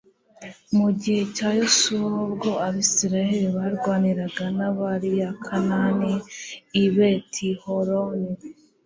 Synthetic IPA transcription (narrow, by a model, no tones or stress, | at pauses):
muɟihe̞caːjusuabɡo̞aβisiɾajeɾiβaɾɡwaːniɾaɡanaβaɾijakʰananiː | βetʰihoɾoni